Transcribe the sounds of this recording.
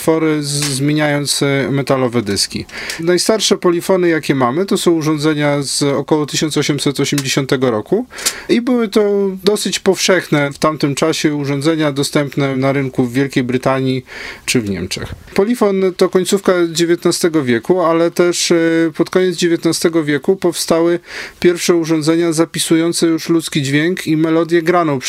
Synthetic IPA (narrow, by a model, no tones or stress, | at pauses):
fɔɾɘzmʲeɲajɔnt̪smɛt̪alɔvɛd̪ɘskʲḭ | najst̪aɾʂɛpɔlʲifɔnɘjakʲɛmamɘt̪ɔsɔ̃w̃uʐɔ̃nd̪zɛɲaz̥ɔkɔwɔt̪ɘɕɔntsɔɕɛmsɛt̪ɔɕɛmd͡ʑeɕɔnt̪ɛɡɔɾɔkuibɘwɘt̪ɔd̪ɔsɘt͡ɕpɔfʂɛxnɛft̪amt̪ɘmt͡ʂaɕɛuʐɔnd̪zɛɲad̪ɔst̪ɛmpnɛnaɾɘŋkuvːʲjɛlkʲejbɾɘt̪aɲit͡ʂɘvɲɛ̰mt͡ʂɛ̰x | pɔlʲifɔnt̪ɔkɔɲʲt̪sufkad͡ʑevʲjet̪nast̪ɛɡɔvʲjɛkualɛt̪ɛʂpɔt̪kɔɲɛd̪zd͡ʑevʲjet̪nast̪ɛɡɔvʲjɛkupɔfst̪awɘpʲjɛɾfʂɛuʐɔ̃nd̪zɛɲazapʲisujɔnt̪sɛjuʂlut̪skʲid͡ʑvʲjɛŋkimɛlɔd̪ʲjɛɡɾanɔ̃w